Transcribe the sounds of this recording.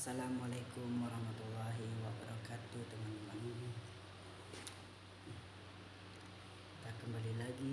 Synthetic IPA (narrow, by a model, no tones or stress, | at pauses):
salamalakumwaɾɑhmat̪ulːɑɦiwabaɾakat̪ut̪əŋanmanuni | ki̥t̪akəmbalilaɡi